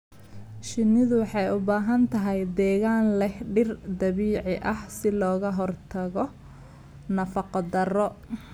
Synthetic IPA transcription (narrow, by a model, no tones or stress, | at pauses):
ʃɪnːɪðʊwɑħɑjʊbaːɦɐnt̪ʰɐɦɛjd̪ɛːɣaːnlɛhɖɪrd̪ɐβiːʕɪʔɐhsɪlɔːɣɐɦɔrt̪ʰɐɣɔ | nɐfɑqɑd̪ɐrɔ